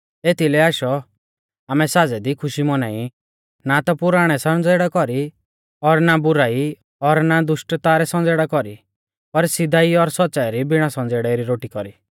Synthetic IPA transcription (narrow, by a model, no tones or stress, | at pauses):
et̪ilɛaːʃɔ | aːmɛsad͡zɛd̪ikʰʊʃimɔnaːi | nat̪ɔpʊɾaːɽ̃ɛsɔnd͡zeːɽakɔɾi | ɔɾnabʊɾaːi | ɔɾnad̪ʊʃʈt̪aːɾɛsɔ̃nd͡zeːɽakɔɾi | pɐɾsɪd̪ʱaiɔɾsɔt̪ːsaiɾibɪɽ̃asɔ̃nd͡zeːɽɛɾiɾoːʈikɔɾi